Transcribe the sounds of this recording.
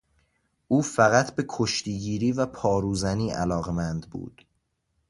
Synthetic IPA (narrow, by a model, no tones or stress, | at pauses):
ʔuːfæɣæt̪ʰbe̞kʰoʃt̪ʰiːɟiːɾiːvæpʰɒːɾuːzæniːʔæ̰lɒːɣemænd̪bṵːd̪̥